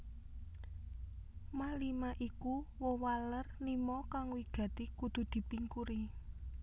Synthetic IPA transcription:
malimaʔikuwɔwalərnimɔkaŋwiɡ̥ä̤t̪ikud̪̥ṳd̪̥i̤piŋkuɾi

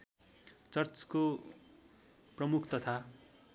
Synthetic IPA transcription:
t͡sʌrt͡sko | prʌmukʰt̪ʌt̪ʰa

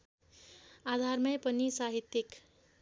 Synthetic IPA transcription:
ad̪ʱarmʌjpʌnisaɦit̪ːik

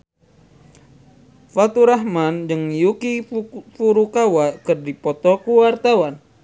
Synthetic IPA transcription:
fat̪uɾaɦmandɨŋjukifuɾukawakɨrdipɔt̪ɔkuwart̪awan

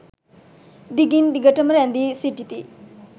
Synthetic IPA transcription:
d̪iɡind̪iɡɐʈɐmɾand̪isiʈːit̪i

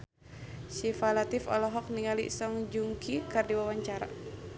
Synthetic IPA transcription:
ʃifalat̪ifɔ̰lɔɦɔk̚niŋalḭsɔŋd͡ʒuŋkikardiwawaɲt͡ʃaɾa̰

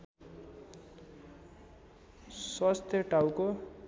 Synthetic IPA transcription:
swast̪ʰjʌʈawko

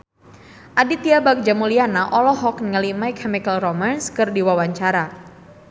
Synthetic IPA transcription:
ʔadit̪iabak̚d͡ʒamulianaʔɔlɔɦɔknŋəlimajkʰɛmikəlromanskɨrdiwawaɲt͡ʃaɾa

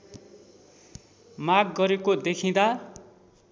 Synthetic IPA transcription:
maɡːʌɾekod̪ekʰĩd̪a

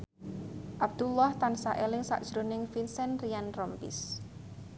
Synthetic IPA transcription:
ʔab̚d̪̥ulɔht̪ansaʔelɪŋsa̰ʔd̥ʒ̥ɾo̤nɪŋfinsɛnrijanrɔmpḭs

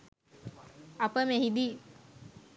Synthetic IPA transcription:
apəmeɦid̪i

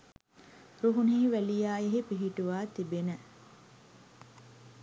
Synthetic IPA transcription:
ɾuɦuniiʋælijaːjeɦipiɦiʈuʋaːt̪ibenə

